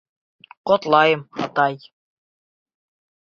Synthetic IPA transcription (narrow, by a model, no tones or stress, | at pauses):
qot̪lˠɑjɤ̆mhɑ̰t̪ɑj